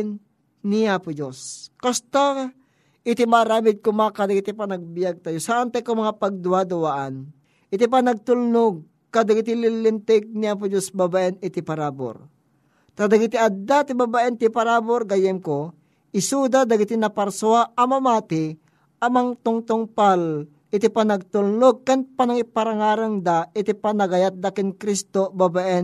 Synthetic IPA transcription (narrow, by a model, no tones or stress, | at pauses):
nː | ɪapʊd͡ʒoskast̪a | ʔɪt̪imaɾaːmɪd̪̚kʊmakad̪ɐɡɪt̪ipanɐɡ̚bɪjaɡ̚t̪ajosaʔant̪akomɐŋapɐɡ̚d̪ʊad̪ʊwaʔan | ʔɪt̪ip̬anɐɡ̚t̪ʊlnoɡ̚ | kad̪ɐɡɪt̪̬ɪlɪlːɪnt̪ɛɡ̚niaːp̬ʊd͡ʒosbabaʔɛnɪt̪ɪpɐɾaːbo̰ɾ | t̪ad̪aɡɪt̪iʔad̪at̪ibabaʔɛnt̪ɪpaɾaboɾɡajɛmko | ɪsud̪ad̪ɐɡɪt̪inɐpɐɾsoaʔɐmɐmaːt̪ɪ | ʔɐmaŋt̪ʊŋt̪ʊŋpal | ɪt̪ipanɐɡ̚t̪ulnoɡ̚kanpanaŋipaɾaŋaːɾaŋd̪aʔɪt̪ipanɐɡajat̪̚d̪akɪnkɾist̪obabaʔɛn